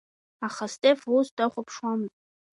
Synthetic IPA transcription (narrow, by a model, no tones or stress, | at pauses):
aχastʼefusdaχʷʊpʰʂwamɨtʼ